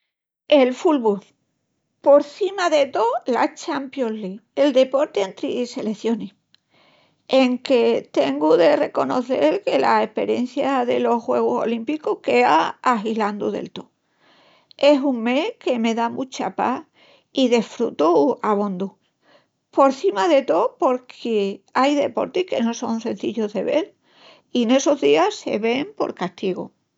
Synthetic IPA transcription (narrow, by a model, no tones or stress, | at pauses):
e̞lfulβu | po̞ɾθimaðe̞t̪olat͡ʃampjoslie̞ld̪e̞po̞ɾt̪eent̪ɾise̞le̞θjo̞ni | eŋke̞t̪e̞ŋɡuðe̞re̞ko̞no̞θe̞lke̞la̰e̞hpe̞ɾjẽ̞̰n̟θjaðe̞lo̞xwe̞ɣ̞uso̞̰limpikuhke̞aːɦiland̪ṵðḛlt̪o | e̞suŋme̞ke̞me̞ðamut͡ʃapa̰ | iðefɾṵt̪uaβond̪u | po̞ɾθimaðe̞t̪o̞po̞ɾkʰeajðe̞po̞̰ɾt̪ihke̞no̞so̞nse̞n̟θiʎoðe̞βe̞ɾ | ine̞so̞zðiase̞̰βe̞mpo̞̰ɾkast̪iɣo